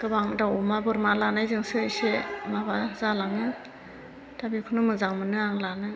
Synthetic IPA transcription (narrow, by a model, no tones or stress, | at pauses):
ɡ̥ɯbaŋdawɔmabɯɾmalanajzɯŋsɯɯjsemabazalaŋɯ | dabikʰunɯmɯzaŋmɯnɯaŋlanɯ